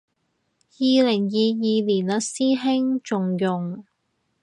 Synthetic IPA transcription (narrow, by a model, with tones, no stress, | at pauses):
jiː˨˧lɪ˨˩ŋjiː˨˧jiː˨˧liː˨˩nlɐ˨˧siː˥ɦɪ˥ŋt͡ʃʊ˨ŋjʊ˨ŋ